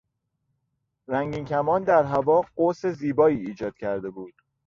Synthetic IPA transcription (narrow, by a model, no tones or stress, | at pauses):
ɾæŋɟiːncʰæmɒːnd̪æɾɦævɒːɢose̞ziːbɒːiːiːd͡ʒɒːd̪̥cʰæɾd̪e̞buːd̪̥